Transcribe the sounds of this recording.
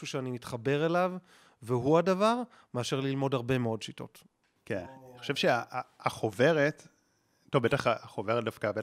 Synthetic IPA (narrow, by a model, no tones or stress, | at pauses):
ʃuʃeanimitχabe̞ʁelav | veɦuadavaʁ | me̞aʃe̞ʁlilmo̞daʁbe̞meo̞dʃito̞̰t | kenaniχoʃevʃeaaaχove̞ʁet | tovbet̪aχaaχo̞veʁet̚dafkabe